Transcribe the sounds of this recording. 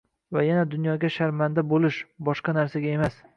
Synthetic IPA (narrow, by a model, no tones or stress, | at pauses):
vajanad̪ʊnjɒɡʲaʃaɾmand̪abolɪʃbɒʃqɑnaɾsaɡʲaemas